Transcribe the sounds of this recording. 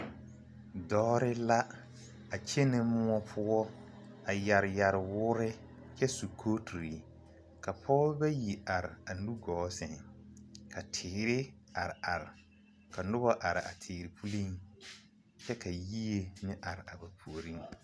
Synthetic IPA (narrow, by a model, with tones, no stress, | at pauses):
dɔː˦ɾɪ˦la˦ | a˨t͡ʃe˦nɪ˦mʊ˦ɔ˦pʰʊ˦ɔ˦ | a˨ja˨ɾja˨ɾɪ˨wʊː˦ɾɪ˦ | t͡ʃɛ˦su˨kʰo˦tʰu˨ɾi˨ | ka˨pʰɔː˦bɛ˦ji˨a˨ɾɪ˨a˨nu˦ɡɔː˨˦sɛ˨ŋ˨ka˨tʰɪː˨ɾɪ˦ | a˨ɾɪ˨a˨ɾɪ˨ | ka˨nʊ˦bɔ˦ʔa˨ɾɪ˨a̰˨tʰɪː˨ɾɪ˨pʰu˦li˦ŋ | t͡ʃɛ˦ka˨ji˦e˨nɪ˦ʔa˨ɾɪ˨a˨ba˨pʰu˨o˨ɾi˦ŋ